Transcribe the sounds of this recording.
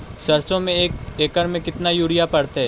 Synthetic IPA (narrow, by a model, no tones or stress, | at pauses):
sɐɾsõmẽeːkeːkəɾmẽkɪt̪najuːɽijapɐɽt̪eɦɛ̃ː